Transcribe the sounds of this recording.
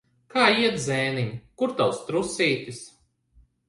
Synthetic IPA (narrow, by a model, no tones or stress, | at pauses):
kaːiɛt̪zɛːnimkuɾt̪awst̪ɾusiːt̪is